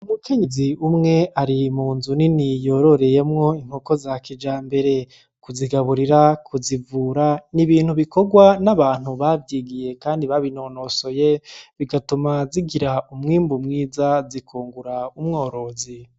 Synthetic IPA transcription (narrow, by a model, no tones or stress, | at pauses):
umuke̞ɲiziumŋe̞ʔaɾimuːnzuninijo̞ɾo̞ɾe̞je̞mŋo̞iŋ̥hoko̞zakid͡ʒaːmbe̞ɾe̞ | kuziɡaβuɾiɾakʰuzivuːɾaniβiːn̥huβiko̞ɡwanaβaːn̥huβavjiːɡije̞kaːndiβaβino̞no̞so̞je̞βiɡatumaziɡiɾaumŋiːmbumŋiːzazikʰuːŋɡuɾaumŋo̞ːɾo̞zi